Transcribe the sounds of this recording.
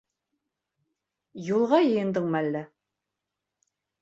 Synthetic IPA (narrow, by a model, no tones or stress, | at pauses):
julˠʁɑjɤ̆jɤ̆nd̪ɤɴmælːæ